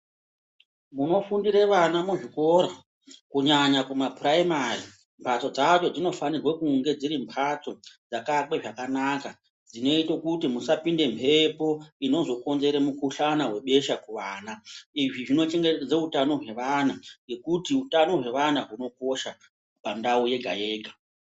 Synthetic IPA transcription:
muno̞fundiɾeʋanamuʐiko̞ɾa | kuɲaɲakumapraimari | mpʰat͡so̞d͡zat͡ʃo̞d͡zino̞fanirwakuŋɡe̞d͡ziɾimpʰat͡so̞d͡zakake̞ʐakanaka | d͡zino̞itokutimusapinde̞mpʰe̞po̞ino̞zo̞ko̞nze̞ɾemukuɬanawe̞ɓe̞ʃakuʋaːnaiʐiʐino̞t͡ʃe̞ŋɡed͡zeutano̞ɦwe̞ʋanaje̞kutiutano̞ɦwe̞ʋanaɦuno̞ko̞ʃa | pandauje̞ɡʱa̰je̞ːɡʱa

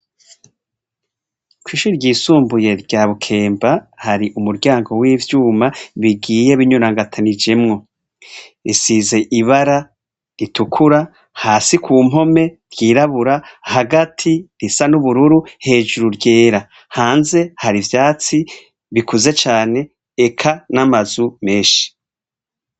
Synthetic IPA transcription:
kwiʃuɾɟiːsuːmbuje̞ɾɟaːβukʰe̞ːmbahaɾiʔumuɾɟaːŋɡo̞wiːvjuːmaβiɡiːje̞βiɲuɾaŋɡatʰanid͡ʒe̞mŋo̞ | isize̞ʔiβaɾa | ɾitʰukʰuɾa | haːsikuːmɦo̞meɾjiːɾaβuɾahaɡatʰiɾisanuβuɾuɾuhe̞ːd͡ʒuɾuɾɟe̞ːɾa | haːnze̞haɾivjaːt͡si | βikuze̞t͡ʃaːne̞ː | kʰanamazume̞ːʃi̥

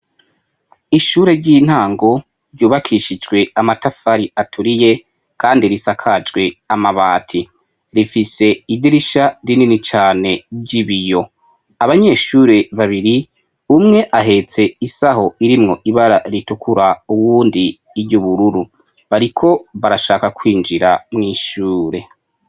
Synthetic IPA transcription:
iʃuːɾe̞ɾɟiːn̥haːŋɡo̞ | ɾɟuːβakʰiʃid͡ʒɡwe̞amatafaɾiatʰuɾije̞ | kʰaːndiɾisakʰad͡ʒɡwe̞amaβaːtʰi | ɾifiseidiɾiʃaɾininit͡ʃaːne̞ɟiβijo̞ | aβaɲe̞ːʃuːɾe̞βaβiɾi | umŋe̞ʔaɦe̞t͡se̞isaho̞iɾimŋo̞ʔiβaɾaɾitukʰuɾauβuːndiː | ɾɟuβuɾuɾu | βaɾikʰo̞βaɾaʃaːkakʰwiːnd͡ʒiɾamŋiːʃuːɾe̞

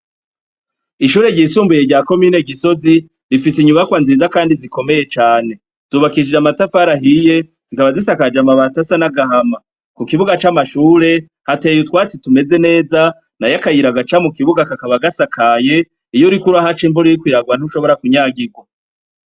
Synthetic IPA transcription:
iʃuːɾe̞ɟiːsuːmbujeɾɟaːko̞miːne̞ɡiso̞zi | ɾifisiɲuβakwanziːzakaːndiziko̞me̞je̞t͡ʃaːne̞ | z̥uːβakid͡ʒid͡ʒamatafaɾaɦije̞ | z̥ikaβazisakad͡ʒamaβaːtasanaɡaɦama | kukiβuɡat͡ʃamaʃuːɾe̞ | hate̞ːjutwaːt͡situme̞ze̞ne̞ːza | najakajiɾaɡat͡ʃamukiβuɡakakaβaɡasakʰaje̞ | ijoɾikuɾuaɦat͡ʃiɱvuɾijikwiːɾaɡwan̥uʃo̞βo̞ɾakuɲaːɡiɡwa

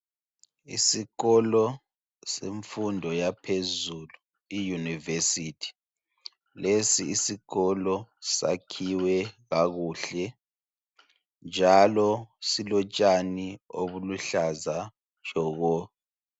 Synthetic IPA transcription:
ḭsiɣɔlɔ | seɱfundʱɔjapʰezulu | ijunivesitʰi̥ | lesiːsiɣɔlɔsa̰kʰiwɛɣaɣuːɬɛ | nd͡ʒʱalɔsilɔt͡ʃʼanio̰βuluɬazḁ | ʒ̥ʱɔːɣɔ

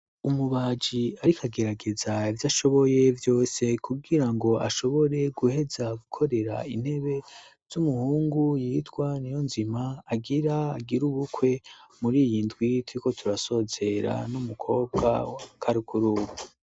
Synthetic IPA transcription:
umuβaːd͡ʒiaɾikʰaɡe̞ɾaɡe̞zaivjaːʃo̞βo̞je̞vjo̞ːse̞kuɡiɾaŋɡo̞a̰ʃo̞βo̞ɾe̞ɡuhe̞zaɡukʰo̞ɾe̞ɾa̰in̥he̞βe̞ | z̥umuhuːŋɡujitɡwanijo̞nzimaːɡiɾaːɡiɾuβukwe̞muɾiːjindwitwuiko̞tʰuɾaso̞ːze̞ɾa̰numukʰo̞ːb̚ɡa̰akʰaɾikuɾuːβu

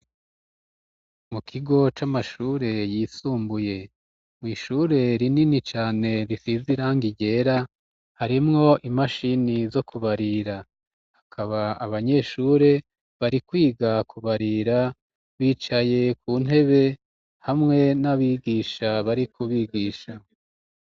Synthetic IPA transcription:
mukʰiɡo̞t͡ʃamaʃuɾe̞jisuːmbuje̞ | mŋiːʃuɾe̞ɾininit͡ʃaːne̞ɾisiziɾaːŋɡiɟe̞ːɾa | haɾimŋo̞ʔimaʃinizo̞kʰuβaɾiɾa | hakʰaβaaβaɲe̞ːʃuːɾe̞ | βaɾikwiːɡakʰuβaɾiɾa | βiːt͡ʃaje̞kʰuːn̥he̞βe̞ | hamŋe̞naβiːɡiːʃaβaɾikʰuβiːɡiːʃa

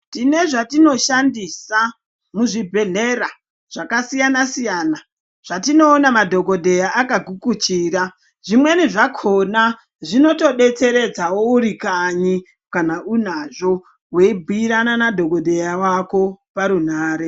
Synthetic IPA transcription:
tine̞ʐatino̞ʃandisa | muʐibʱe̞n̤era | ʐ̥akasijanasijaːna | ʐ̥atino̞ːnamadʱo̞ɡo̞dʱe̞jaʔakaɡʱukut͡ʃiːɾa | ʐimwe̞niʐakʰo̞na | ʐino̞to̞ɓe̞t͡se̞ɾe̞d͡zawo̞uɾikaɲi | kanaʔun̤aʐo̞ | weibʱuiɾananadʱo̞ɡo̞dʱe̞jawako̞paɾun̤aːɾe̞

